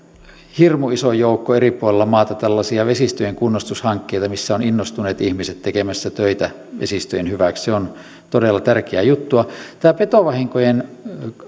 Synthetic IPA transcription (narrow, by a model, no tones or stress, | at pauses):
hirmuisojoukːoeripuolelːɑmɑːt̪ɑt̪ælːɑsiɑʋesist̪øjeŋkunːost̪ushɑŋkːeit̪ɑmisːæoninːost̪uneːt̪ihmiset̪t̪ekemæsːæt̪øit̪æ | ʋḛsist̪øjenhyʋæksseon | t̪odelːɑt̪ærkeæːjut̪ːuɑt̪æːpet̪oʋɑhiŋkojen